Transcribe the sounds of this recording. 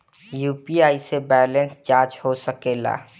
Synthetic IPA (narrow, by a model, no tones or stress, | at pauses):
juːpiaːisebɛːlə̃nst͡ʃaːɾt͡ʃhosəkeːla̰ː